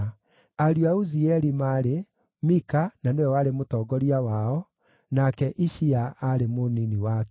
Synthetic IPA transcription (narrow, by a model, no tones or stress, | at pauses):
aɾjuauziɛɾimaɾe | mikananewɛwaɾemotɔːɡɔɾiawaɔ | nakɛʔiɕiaaɾemoniniwak